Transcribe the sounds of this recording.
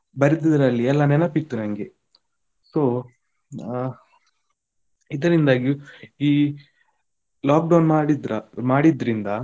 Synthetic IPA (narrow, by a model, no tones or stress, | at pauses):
bɐɾid̪id̪ɐɾɐlːiɛlːɐnɛnɐpːit̪ːunɐŋɡe̞ | so̞ː | id̪ɐɾind̪aːɡiiː | laːk̚ɖɐwnmaːɽid̪ɾɐmaːɽid̪ɐɾind̪ɐ